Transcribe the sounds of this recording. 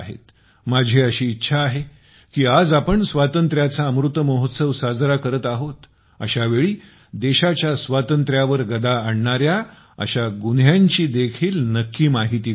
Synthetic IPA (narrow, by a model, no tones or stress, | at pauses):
ɦḛt̪ | mad͡ʑʱeəɕiːtːɕʰaːɦe | kiːad͡zapəɳsʋat̪ənt̪ɾjat͡saəmɾut̪ːəməɦot̪səʋsad͡zɾakəɾət̪aɦot̪ | ə̰ɕaʋeɭiː | d̪eɕat͡ɕjasʋat̪ənt̪ɾjaʋəɾɡəd̪aəɳɳaɾja | ə̰ɕaɡunjaɲt͡ɕiːd̪ekʰiːlnəkːiːmaɦit̪iː